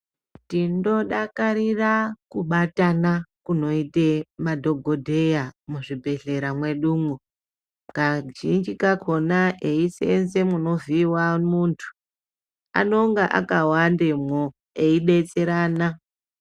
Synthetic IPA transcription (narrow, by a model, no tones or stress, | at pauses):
tindo̞ɗakaɾirakuɓatanakuno̞itemadʱo̞ɡʱo̞dʱe̞jamuʐibʱe̞ɮe̞ɾamwe̞ɗuːmo | kaʒind͡ʒikakʰo̞naʔeisḛnse̞muno̞viwamuntʰu̥ | a̰no̞ŋɡaʔa̰kawandemo | eiɗe̞t͡se̞ɾaːna